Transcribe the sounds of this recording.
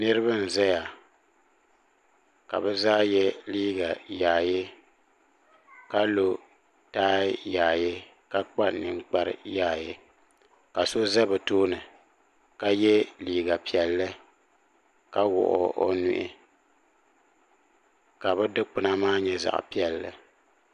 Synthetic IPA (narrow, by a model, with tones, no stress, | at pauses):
nɨ˦ɾɨ˦βa˦n̩˨zɛ˦ja˨ | ka̰˨bɛ˦zaː˦jɛ˦liː˦ɡa˨jaː˨je˦ | ka˦lo˨ | taː˦jaː˨je˦ | ka˦k͡pa˦nɨ˨ŋk͡pa˦ɾɨ̰˦jaː˨je˦ | ka˨so˦zɛ˦bɨ˨toː˦nɨ˨ | ka˦jɛ˦liː˦ɡa˨pi˨ɛ˨lːɨ˦ | ka˦wʊ̰˨ʔʊ̰˦ʔo̰˦nu˦ʔɪ̰˦ | ka˨bɛ˦dɨ˦k͡pɨ˨na˦maː˦ɲɛ˦za̰˨ʔpi˦ɛ˨lːɨ̰˨